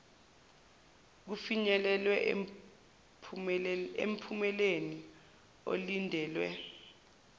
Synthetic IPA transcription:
k̬ufiɲɛlɛlwɛ | ḛm̩pʰumɛleni | o̰lindʱɛːlwɛ̰

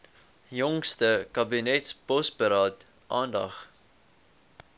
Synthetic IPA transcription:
jɔŋstəkɐbinɛtspɔspəɾɑːt | ʔɑːndɐ̰χ

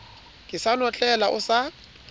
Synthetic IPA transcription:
kʼɪsanɔt͡ɬʼɛlaʔʊsa

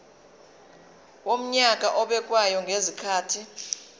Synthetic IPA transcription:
om̩ɲak̬ʼaʔɔɓɛk̬ʼwajɔŋʱezikʰaːtʰi

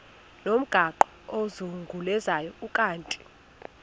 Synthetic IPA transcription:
nom̩ɡ̥ʱaǃɔozuŋɡʱulɛzajɔukʼaːntʼi̥

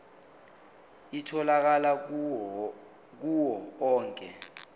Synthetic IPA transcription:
itʰɔlak̬ala | k̬uwɔɔːŋkʼɛ

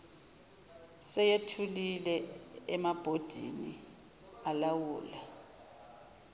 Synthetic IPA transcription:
sɛjetʰulilɛːmab̥ʱod̥ʱḭni | alawuːla

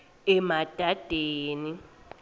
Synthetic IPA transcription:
ɛmad̥ʱad̥ʱeːni

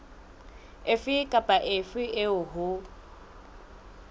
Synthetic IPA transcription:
ɪfɪkʼapʼaʔɪfɪʔɪʊɦʊ

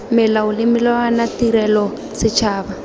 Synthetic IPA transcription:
mɪlaʊlɪmɪlɔanatiɾɛlɔ | sɪt͡ʃʰaːβa

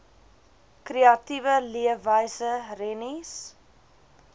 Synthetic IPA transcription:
kreɐtivəliəvəjsərɛnis

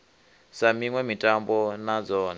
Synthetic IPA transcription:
samiŋwɛmitʼambɔnad͡zɔːna

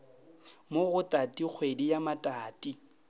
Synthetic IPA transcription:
moɣʊtʼatʼik͡xʰwedijamatʼaːtʼi

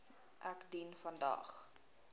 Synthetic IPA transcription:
ʔækdinfɐndɑ̰ːχ

